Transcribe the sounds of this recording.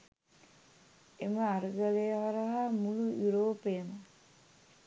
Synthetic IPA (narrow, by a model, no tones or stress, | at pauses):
eməaɾəɡəlejʋaɾəɦamulujuɾoːpejəmə